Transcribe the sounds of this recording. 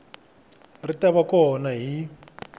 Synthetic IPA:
ritaβakɔnaɦi

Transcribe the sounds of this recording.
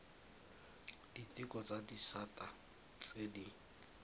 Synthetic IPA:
d̥itʼɪkʼɔt͡sʼadisatʼa | t͡sʼedi

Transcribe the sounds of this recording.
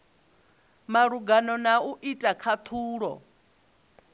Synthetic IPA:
maɺuɡanɔnauʔitʼakʰat̪ʰuːɺɔ̰

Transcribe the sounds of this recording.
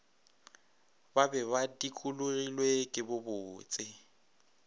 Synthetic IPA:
babɛβadikʼulʊrilwekʼɪbʊbʊːt͡sʼɪ

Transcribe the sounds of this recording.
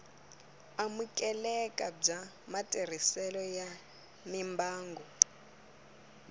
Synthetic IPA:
amukʼɛlɛkʼab͡ʐa | matʼer̤isɛlɔja | mimbaːŋɡɔ

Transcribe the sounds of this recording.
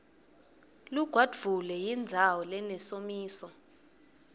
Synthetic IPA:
luɡ̥ʱwad̥vulɛjind͡zʱawɔlɛnɛsomiːsɔ

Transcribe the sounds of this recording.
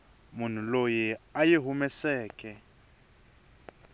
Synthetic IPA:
mʊn̤ulojɛajeɦumɛsɛːkʼɛ

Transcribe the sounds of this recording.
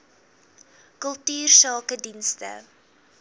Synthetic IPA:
kəlˠtyːrsɑːkədinstə̰

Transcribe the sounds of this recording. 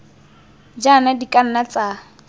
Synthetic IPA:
d͡ʒanadikʼan̩nat͡sa

